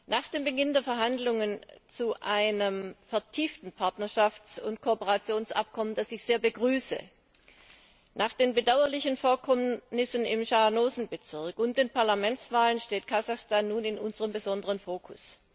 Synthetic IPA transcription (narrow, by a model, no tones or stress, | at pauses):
nʔaːχd̥eːmbəɡɪndeːɐfɛɐɦandlʊŋənt͡suʔaɪnəmfɛɐtʰiːftn̩pʰaɐtnɐʃaft͡sʊntkʰopəʁat͡sjoːnsʔa̰p̚kʰɔmənd̥asɪçz̥eːɐbəɡʁyːsə̰ | nʔaːχd̥eːnbədaʊɐlɪçənfoːɐkʰɔmnɪsənɪmʃanoːzn̩bət͡sɪɐkʊnt̚d̥eːnpʰaɐlamɛnt͡sv̥aːlənʃteːt̚kʰazaxstaːnːuːnɪnʔʊnzəʁəmbəzɔndəʁənfoːkʰʊs